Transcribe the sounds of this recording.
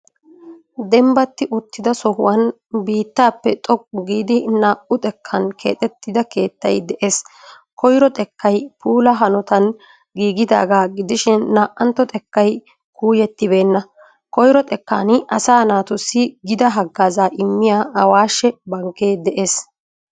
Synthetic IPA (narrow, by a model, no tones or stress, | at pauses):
d̪ɛmbɐt̪ːɪʔʊt̪ːɪd̪ɐsɔhʊ̰wɐn | biːt̪ːaːpːɛt̪ʼɔk̚ːʊɡiːd̪ɪnaːʔʊt̪ʼɛkʰːɐnkʰḛːt̪ʼɛt̪ːɪd̪ɐke̞ːt̪ːɐ̰jd̪ɛʔe̞ːs | kɔjɾɔt̪ʼɛkːɐjpuːlɐɦɐnɔt̪ɐn | ɡiːɡɪd̪a̰ːɡaːɡɪd̪ɪʃɪnːaːʔʔɐnt̪ːɔt̪ʼɛkːɐj | kuːjɛt̪ːɪbe̞ːnːɐ | kɔjɾɔt̪ʼɛkːa̰ːnɪʔɐsaːnaːt̪ʊsːɪɡɪd̪ɐɦɐɡːaːzaːʔɪmːɪjaːɐwaːʃɛbɐŋkːeːd̪ɛʔe̞ːs